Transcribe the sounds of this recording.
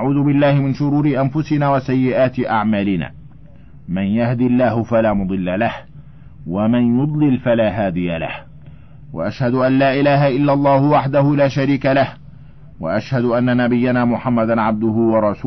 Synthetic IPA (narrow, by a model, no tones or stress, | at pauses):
aʕuːðʊbɪlːaːhɪmɪnʃʊɾuːɾɪʔanfʊsɪnaːwasajːɪʔaːt̪ɪʔaʕmaːlɪna̰ː | manjahd̪ɪlːaːhʊfalaːmʊd̪ˤɨlːalah | wamanjʊd̪ˤlɪlfalaːɦaːd̪ɪjala̰h | wa̰ʔaʃhad̪ʊʔanːaːʔɪlaːɦaʔɪlːalˤːɑːhʊwaħd̪ahʊlaːʃaɾiːkalah | wa̰ʔaʃhad̪ʊʔanːanabɪjːanaːmʊħamːad̪anʕab̚d̪ʊhʊwɑɾˤɑsuː